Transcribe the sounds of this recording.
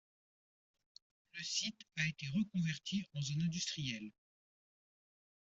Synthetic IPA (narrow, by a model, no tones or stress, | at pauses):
ləsit̪aet̪eʁəkɔ̃vɛʁt̪ʰiɑ̃zỹnɛ̃d̪yst̪χijɛl